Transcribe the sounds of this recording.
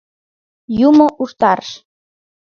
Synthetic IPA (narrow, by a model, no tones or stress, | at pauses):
jumoʔuʃt̪ɑrʃ